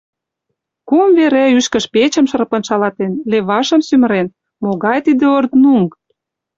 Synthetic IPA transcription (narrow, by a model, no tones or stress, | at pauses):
kumveɾæyʃkə̆ʃpet͡ɕə̆mʃɤ̆rpə̆nʃɑlɑt̪enleβɑʃə̆msymə̆ɾen | moɣɑjt̪id̪ĕort̪nuŋk